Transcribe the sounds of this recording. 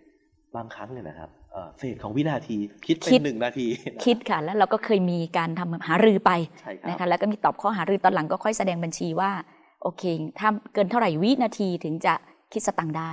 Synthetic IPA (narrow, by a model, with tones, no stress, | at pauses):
baː˧ŋkʰɾa˦˥ŋli˧˩na̰˦˩kʰa̰˦˥p̚ʔəː˨˩feː˨˩t̪̚kʰɔː˩˦ŋwi˦˥naː˧t̪ʰiː˧kʰi˦˥t̪̚kʰei˦˥nːɯ˨˩ŋnaː˧t̪ʰiː˧kʰi˦˥t̪̚kʰa˥˩lɛː˦˥wɾa˧wkɔː˥˩kʰɤː˧jmiː˧kaː˧nt̪ʰa˧mhaː˩˦ɾɯː˧pa˧jt͡ɕʰa˥˩jna˦˥kʰa˦˥lɛ˦˥kɔ˥˩miː˧˩t̪ɔː˨˩p̚kʰɔː˥˩ɦaː˩˦ɾɯː˧t̪ɔː˧nla˩˦ŋkɔː˥˩kʰɔ˥˩jsa˧dɛː˧ŋba˧nt͡ɕʰiː˧waː˥˩ | ʔoː˧kʰeː˧t̪ʰaː˥˩kɤː˧nt̪ʰa˥˩wɾa˨˩jwi˦˥naː˧t̪ʰiː˧t̪ʰɯ˩˦ŋt͡ɕa˨˩ | kʰt̪̚sa˧t̪a˧˩ŋdaː˥˩j